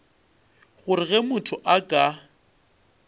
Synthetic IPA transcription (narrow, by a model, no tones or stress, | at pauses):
ɣʊɾɪɣɛmʊtʰʊʔakʼa